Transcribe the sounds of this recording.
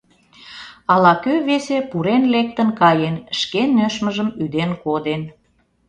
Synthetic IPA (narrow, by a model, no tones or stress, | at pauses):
ɑlɑkøβesepuɾenlek̚t̪ənkɑjenʃkenːøʃməʒəmyd̪enkod̪en